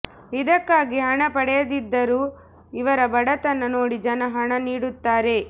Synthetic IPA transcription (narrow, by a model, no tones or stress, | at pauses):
id̪ɐkːaːɡiɦɐɳɐpɐɽɛjɐd̪id̪ːɐɾuː | iʋɐɾɐbɐɽɐt̪ɐnːɐno̞ːɽid͡ʒɐnɐɦɐɳɐniːɽut̪ːaːɾe̞